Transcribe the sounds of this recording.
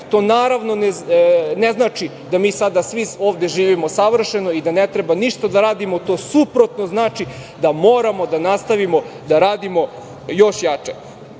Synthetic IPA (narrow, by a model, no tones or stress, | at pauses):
t̪o̞ːnaːɾaʋno̞neneznaːt͡ʃi | d̪amiːsad̪asʋio̞ːʋd̪e̞ʒiːʋimo̞saʋr̩ʃeno̞id̪anet̪ɾebaniʃt̪ad̪aɾaːd̪imo̞t̪o̞ːsupɾo̞t̪no̞znaːt͡ʃid̪amo̞ːɾamo̞d̪anast̪aʋimo̞ | d̪aɾaːd̪imo̞ | jo̞ʃjat͡ʃe